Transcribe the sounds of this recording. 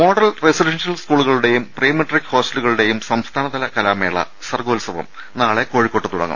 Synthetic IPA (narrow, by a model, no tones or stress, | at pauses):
mo̞ːɽɐlresiɖenʂjɐlskuːɭuɣɐɭuɽe̞jumprejɐmɐʈːrikːho̞ːsʈɐluɣɐɭuɽe̞jumsɐmst̪ʰaːnɐðɐlɐkɐlaːmeːɭːɐ̰ | sɐrɡoːlsɐʋɐ̰m | naːɭe̞ko̞ːɻikːoʈːɨt̪uɽɐ̰ŋːɐ̰m